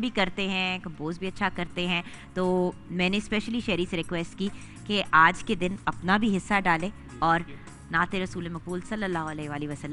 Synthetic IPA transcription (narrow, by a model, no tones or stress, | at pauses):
bʱikɐɾt̪eɦɛ̃kɐboːzbʱiɐtːʃʰakɐɾt̪eɦɛ̃ | t̪oːmɛ̃ːnespɛːʃəliʃɛːɾiseɾɪkʋɛːsʈki | keʔaːd͡ʒked̪ɪnɐpnabʱiɦɪsːaɖaːle | ɔːɾ | naːt̪eɾɐsuːlemɐk̚buːlsɐlːəlːaːɦʊɐlɛːɦeʋaːliʋɐsɐlːə